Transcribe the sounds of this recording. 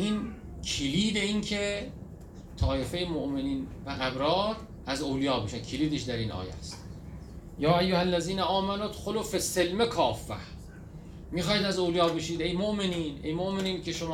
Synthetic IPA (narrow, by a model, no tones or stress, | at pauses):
ʔiːn | kʰiliːd̪eiːnkʰe | t̪ʰɒːʔefejemoʔmeniːnvæɣæbɾɒːt̪ | æzowlijɒːbeʃænkʰiliːd̪eʃd̪æɾiːnʔɒ̰ːjæ̰st̪ | jɒːæjːohælːæziːnæʔɒːmænod̪xoloːfesːelmekʰɒːfːæ̰h | miːxɒːid̪æzowlijɒːbeʃiːd̪ejmoʔmeniːnejmoʔmeniːncʰeʃomː